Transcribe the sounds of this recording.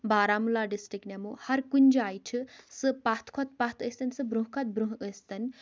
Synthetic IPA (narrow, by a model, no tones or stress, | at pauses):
baːɾaːmulaɖisʈɾiknamuhɐɾkunʲd͡ʒajʈʰɨsɨpat̪ʰkʰɔt̪pat̪ʰəst̪ɐnʲsɨbɾũɦkʰɐt̪̚bɾuɦəst̪ɐn